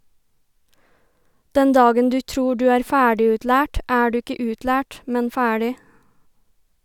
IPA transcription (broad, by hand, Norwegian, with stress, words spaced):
ˈdɛn ˈdɑːɡən ˈdʉː ˈtɾuː ˈdʉː ˈæːɾ ˈfæːɖɪʉtˌlæːʈ ˈæː ˈɖʉː ˈɪkə ˈʉːtˌlæːʈ ˈmɛn ˈfæːɽɪ